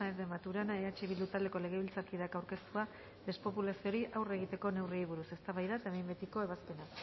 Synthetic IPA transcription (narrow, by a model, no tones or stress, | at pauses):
aezðe̞mat̪uɾanaeat͡ʃeβild̪ut̪ald̪e̞ko̞le̞ɣ̞e̞βilt͡saɾkiðeakawɾke̞st̪ua | d̪e̞spo̞pulasio̞ɾiʔawre̞ɣ̞it̪e̞ko̞ne̞wriejβuɾuse̞st̪aβajðaet̪aemembe̞t̪iko̞e̞βaspe̞na